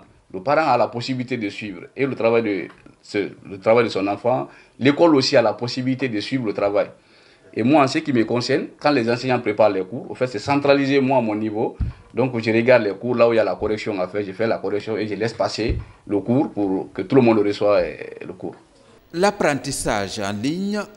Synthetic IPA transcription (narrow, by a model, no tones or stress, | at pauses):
ləpaɾãalaposibilit̪edəsɥiːvɾelət̪ɾavajdə | slət̪ɾavajdəsɔ̃nãfã | lekɔlosialaposibilit̪edəsɥivɾlət̪ɾavaj | emwaãsekiməkɔ̃sɛɾnkãlɛzãsɛɲãpɾepaɾlɛkuːɾɔ̰̃fɛtsɛsãt̪ɾalizemw̃aːmɔ̃nivod̪ɔ̃ŋkʒəɾeɡad̪lɛkuɾlauijalakɔɾɛksjɔ̃afɛʒefɛlakɔɾɛksjɔ̃eʒəlɛspaseləkuɾpuɾkət̪uləmɔ̃ndɾəswaɛ̰ləkṵːɾ | lapɾãtisaʒãliɲ